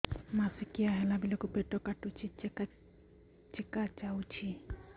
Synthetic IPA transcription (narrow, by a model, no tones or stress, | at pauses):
masikiaɦɛlabilokubeʈɔkaʈut͡ʃʰit͡ʃka | t͡ʃekat͡ʃawt͡ʃʰi